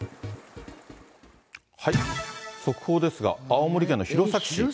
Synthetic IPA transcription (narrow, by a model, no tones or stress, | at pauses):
haiso̞kɯ̟̥ho̞ːd̪e̞sɨɡa̰ːomoɾʲikẽ̞nːo̞çʲiɾo̞sakɯ̟̥ɕi